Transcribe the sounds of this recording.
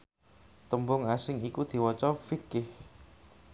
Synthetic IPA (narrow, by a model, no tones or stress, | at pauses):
t̪əmbʊŋasɪŋikud̪̥i̤wɔt͡ʃɔfikɪh